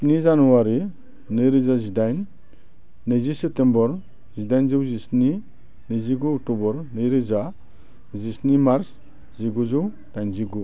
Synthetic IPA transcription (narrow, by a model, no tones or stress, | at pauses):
pnizanuwaɾi | nɯjɾizazidajnː | ɯjzisep̚tembɔɾ | zidajnzɯwzisni | nɯziɡuɔk̚tubɔɾnɯjɾiza | zisnimaɾs | ziɡuzɯw | d̥ajnziɡu